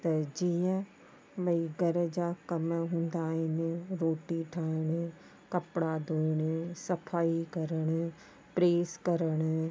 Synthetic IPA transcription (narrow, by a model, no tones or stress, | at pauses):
t̪ɐd͡ʒiːə̃ | bɐiɡɐɾd͡ʒakɐmɦũːnd̪aːɦeneɾoːʈiʈʰaːɪɽ̃ | kɐpɽad̪oːɽ̃sɐpʰaːikɐɾəɽ̃ | pɾeːskɐɾəɽ̃